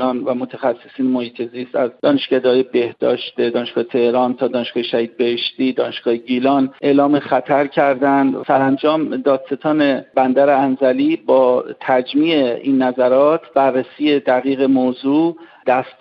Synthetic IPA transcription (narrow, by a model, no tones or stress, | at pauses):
ɒːnvæmot̪ʰexæsːesiːnemohiːt̪ʰe̞ziːst̪æzd̪ɒːneʃɡ̥æd̪hːjebe̞hd̪ɒ̰ːʃt̪ed̪ɒːneʃɡ̥ɒːhet̪ʰe̞hɾɒːnt̪ʰɒːd̪ɒːneʃɡ̥ɒːheʃæhiːd̪̚beheʃt̪iːd̪ɒːneʃɡ̥ɒːheɟilɒːnʔe̞ːlɒːmexæt̪ʰæɾcʰæɾd̪ænd̪sæɾænd͡ʒɒːmd̪ɒːd̪̥set̪ʰɒːnebænd̪æɾeænzæliːbɒːt̪ʰæd͡ʒmiːeʔiːnːæzæɾɒːt̪ʰb̥ærːesiːe̞d̪æɣiːɣe̞mozuːd̪̥æst̪